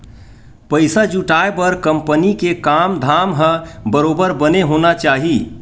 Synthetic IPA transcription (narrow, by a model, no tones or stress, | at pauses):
pəɪsad͡ʒuʈaepəɾkəmpənikekamd̪ʱamɦə̃bəɾobəɾbəneɦonat͡ʃaːɦi